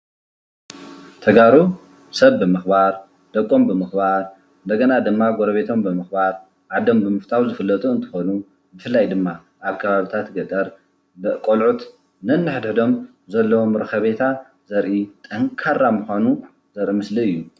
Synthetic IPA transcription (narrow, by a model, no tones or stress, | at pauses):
t̪ʰɐɡaɾu | sɐβːɨmɨxbaɾ | d̪̥ɐkʼːo̞mbɨmɨxbaɾ | ɨnd̪ɐɡɐnad̪ɨmːaɡoɾɐβe̞t̪ʰo̞mbɨmɨxbaɾ | ʕad̪ːɐmbɨmɨft̪ʰawzɨfɨlːɐt̪ʼuɨnt̪ʰɨ̥xonu | bɨfɨlːajd̪ɨmːa | ʔaβkʰɐβaβit̪ʰat̪ɡɐt̪ʼɐɾ | bɨʔkʼolʕut̪ | nɨnːɨħɨd̪ħɨd̪o̞m | zɐlːɐwomɾɨkʰɐβe̞t̪ʰa | zɐɾʔit̪ʼɐŋkʰaɾːamuxanu | zɐɾʔimɨsliɨjːu